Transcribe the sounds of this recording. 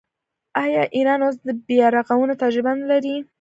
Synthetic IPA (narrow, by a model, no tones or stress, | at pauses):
ɑjɑʔiɾɑnos̬d̪əbjɑɾɑqawunot̪ad͡ʒɪbanlaɾi